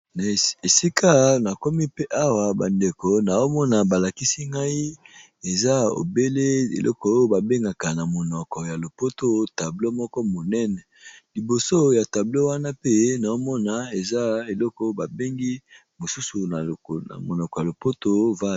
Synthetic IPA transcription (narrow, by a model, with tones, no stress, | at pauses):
na˨e˨si˦kʰa˦na˨kɔ˦mi˦pe˦ʔa˦wa˨ba˨nde˨ko˨na˨o˦mɔ˦na˨ba˨la˨ki˦si˦ŋɡa˦i˦ | e˨za˦o̰˨be˦le˦ḛ˨lʔɔ˦kɔ˨˦o˦ba˨be˦ŋɡa˨ka˨na˨mo˨nɔ˨kɔ˨ja˨lo˨po˦to˦ta˨blo˦mɔ˦kɔ˦mo˨nɛ˦nɛ˨ | li˨bo˨so˦ja˨ta˨blo˦wa˦na˦pe˦na˨o˦mɔ˦na˨e˨za˦e˨lɔ˦kɔ˦o˦ba˨be˦ŋɡi˦ | mo˨su˦su˨na˨na̰˨mo˨nɔ˨kɔ˨ja˨lo˨po˦to˦va˦